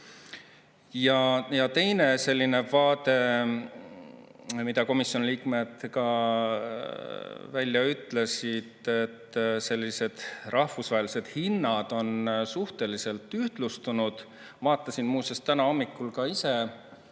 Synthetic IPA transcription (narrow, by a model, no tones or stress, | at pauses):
jɑjɑt̪e̞jne̞se̞lʲːine̞vɑːd̪e̞ | mid̪̥ɑko̞misːjo̞nliːkme̞d̪̥kɑ | vælʲːjɑyt̪ːˑle̞sid̪̥e̞t̪ːse̞lʲːise̞d̪̥rʔɑhfusvɑɦelise̞d̪̥hinːɑd̪̥o̞nsuht̪e̞lise̞lt̪ːˑyht̪lust̪unud̪̥ | vɑːt̪ːˑɑsinmuːsest̪ːænɑo̞mːikːˑulkɑise̞